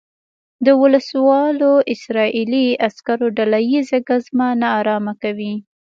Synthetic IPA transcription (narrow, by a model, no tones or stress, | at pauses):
d̪əwʊləswɑloʔɪsɾɑʔiliaskaɾoɖalajizaɡazmanɑːɾɑmakawi